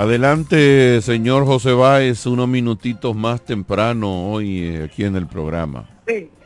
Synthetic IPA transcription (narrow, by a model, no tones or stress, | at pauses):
aðe̞lant̪e̞se̞ɲo̞ɾxo̞s̬e̞βaesunozmĩnut̪it̪o̞zmast̪e̞mpɾanoojakiene̞lpɾo̞̰ɣɾa̰ma̰si